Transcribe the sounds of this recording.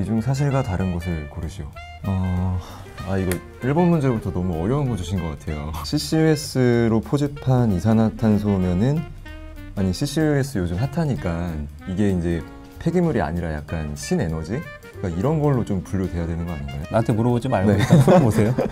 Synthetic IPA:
id͡ʑuŋsʰaɕ̬ʰiɭɡataɾɯnɡʌs̬ʰɯɭkoɾɯɕʰio | ʌ | aiɡʌ | iɭbʌnmund͡ʑe̞butʰʌnʌmuʌɾjʌɦɯnɡʰod͡ʑuɕʰinɡʌk͈atʰe̞jo̰ɕʰiɕ͈ʰies͈ɯɾopʰod͡ʑipʰanisʰanɦatʰans̬ʰonenɯn | aɲiɕʰiɕ͈ʰies͈ʰɯjod͡ʑumsatʰaɲik͈an | iɡe̞ind͡ʑe̞ | pʰe̞ɡimuɾia̰ɲiɾaja̰k̚k͈anɕʰine̞nʌd͡ʑi | k͈aiɾʌnɡʌɭːot͡ɕompuʎːodwe̞jadwe̞nɯnɡʌa̰ɲindajoantʰemuɾʌbod͡ʑimaɭne̞omosʰeo

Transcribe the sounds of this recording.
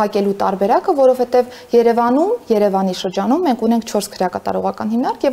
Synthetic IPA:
ɑkɛlut̪ɑ̰ɾbɛɾɑkəvɔɾɔvhɛt̪ɛv | jɛɾɛvɑnumjɛɾɛvɑniʃəɾd͡ʒɑnumːɛŋkʰunɛŋkʰt͡ʃʰɔɾskʰəɾjɑkɑt̪ɑ̰ɾɔʁɑkɑnhimnɑɾkʰjɛv

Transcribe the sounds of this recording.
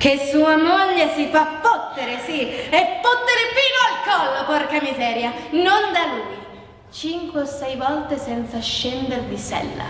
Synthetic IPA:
kesuːamoʎːesifapːot̪ːeɾesiepːot̪ːeɾepiːnoalkɔlːokɔrkamizɛːɾjanond̪aluːj | t͡ʃiŋkweosːɛjvɔlt̪esɛnt̪saʃːɛnd̪erd̪isɛ̰lːa̰

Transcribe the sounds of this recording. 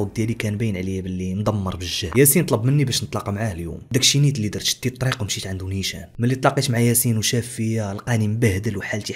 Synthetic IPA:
uwd̪jælikænbinʕlibəlːind̪ˤɑmːəɾˤbəʒːæjæsint̪ˤlɑbmənːibæʃnət̪ˤlɑqɑmaʕahljṵmd̪ækʃinit̪lːid̪ɑɾˤt̪ʃə̥t̪ːit̪ˤːɾiqwmʃit̪ʕand̪uniʃæ̰mælːit̪ˤlɑqit̪maʕajæsinwʃæfəjalqænimbæhd̪əlwħalt̪i

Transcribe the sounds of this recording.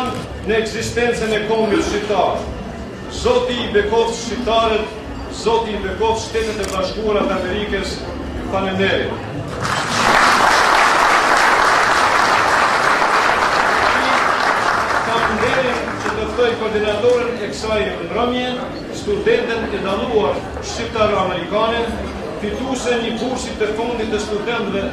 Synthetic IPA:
nː | əɛɡzist̪ɛnt͡sɛnɛkɔmbɛʃit̪aɾ | zɔt̪iːbɛkɔfʃit̪aɾɛt̪ | zɔt̪iːbɛkɔfʃt̪ɛt̪ɛt̪ɛbaʃkuaɾat̪amɛɾikɛs | panɛnɛɾḭ | ɛi | kapund̪ɛɾin | t͡ɕət̪əft̪ɔjkɔɾd̪inat̪ɔɾinɛksajmnrɔmjɛn | st̪ud̪ɛnt̪ɛt̪ɛd̪anuaɾ | ʃt͡ʃip̚t̪aɾamɛɾikanɛ | fit̪usɛɲəbuɾsit̪əfund̪it̪ːəst̪ud̪ɛnt̪vɛ

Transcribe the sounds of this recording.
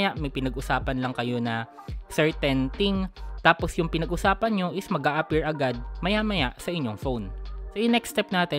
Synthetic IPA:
jaʔmɐjpɪnɐɡʔʊsaːpɐnlɐŋkɐjo̞nɐ | sɛɹt̪ɛnt̪ɪŋt̪aːpo̞sjʊŋpɪnɐɡʔʊsaːpɐnɲo̞ʔɪsmɐɡʔaːʔɐpiɹʔɐɡad̪̚mɐjamɐjaʔsɐʔɪɲːo̞ŋfownsojʊŋnɛkst̪ɛp̚naːt̪ɛ

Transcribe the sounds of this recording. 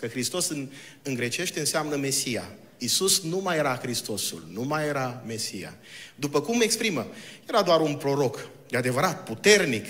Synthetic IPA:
kəxɾist̪o̞sɨn | ɨŋɡɾe̞t͡ʃe̞ʃt̪e̞ɨnseamnəme̞sija̰ | isusnumaje̞ɾaxɾist̪o̞sṵlnumajeɾame̞sija̰d̪upəkumːe̞kspɾiməje̞ɾad̪oaɾunpɾo̞ɾo̞k | d̪ead̪e̞vəɾat̪̚put̪e̞rnik

